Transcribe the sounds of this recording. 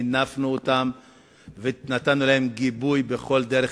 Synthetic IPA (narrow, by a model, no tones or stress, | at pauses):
nafnuot̪am | venat̪anulahe̞mɡibujbeχo̞ld̪eɾe